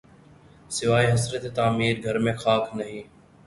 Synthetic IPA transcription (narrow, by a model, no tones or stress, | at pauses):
sɪʋaːiːɦəsɾeːt̪eːt̪aːmiːɾɡʱəɾmẽːxʰaːkʰnəɦiː